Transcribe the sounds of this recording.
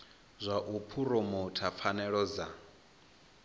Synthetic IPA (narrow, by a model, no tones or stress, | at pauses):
zʷaʔupʰuɾɔmɔtʰap̪fʰanɛɺɔd͡za